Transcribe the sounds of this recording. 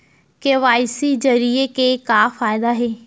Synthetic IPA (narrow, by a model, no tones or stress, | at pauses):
keʋaːɪsid͡ʑɐɾiekekaːfaːɪd̪aːɦeː